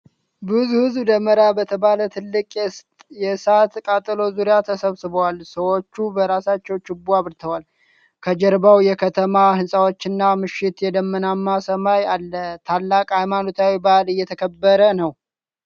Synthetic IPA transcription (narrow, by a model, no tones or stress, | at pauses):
bɨzuhɨzbd̪əmːəɾabət̪ʰəβalət̪ʰɨlːɨkʼ | jɛsat̪kʼat̪ʼlo̞zuɾjat̪ʰəsəβsɨβəwalsəwot͡ʃːubəɾasat͡ʃːɛwt͡ʃɪbuaβɨɾt̪ʰəwal | kʰəd͡ʒɛɾbawjɛkʰət̪ʰəmahɨnsʼawo̞t͡ʃːɪnːamɨʃːɪt̪jɛd̪əmːənamːasəmajalːət̪ʰalːakʼhajmanot̪ʰawibalɨjːɛt̪ʰəkʰəbːəɾənəw